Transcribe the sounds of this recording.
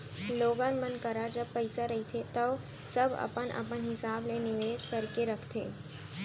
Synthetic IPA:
loːɡãːnmənkɐɾad͡ʒɐb̚pɐɪsaɾɐɦit̪ʰet̪ɐʊ | sɐbɐ̰pənʔə̰pənɦɪsaːblenɪʋeːd͡ʒkɐɾkeɾɐkʰt̪ʰḛː

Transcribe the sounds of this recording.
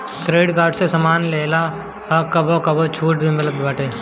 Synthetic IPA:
kɾeːɖkaːɾɖsesɐmaːnleːla | ɔkɐbokɐbot͡ʃʰuːʈbʱimət̪ləbbaːʈeː

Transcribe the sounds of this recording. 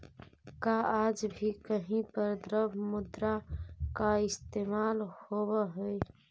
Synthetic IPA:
kaaːd͡ʒbʱikəɦĩpəɾd̪ɾəbmʊd̪ɾakaɪst̪eːmaːlhoːwəɦʊi

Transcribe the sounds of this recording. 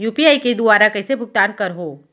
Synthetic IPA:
juːpiaːiked̪ʊaːɾakɐɪsebʱʊɡ̚t̪aːnkɐɾɦoː

